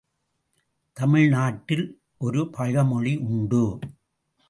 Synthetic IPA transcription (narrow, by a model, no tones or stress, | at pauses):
t̪ɐmɪɻnaːʈːɪl | ʔɔɾɯpɐɣɐmɔɻiʔʊɳɖɯ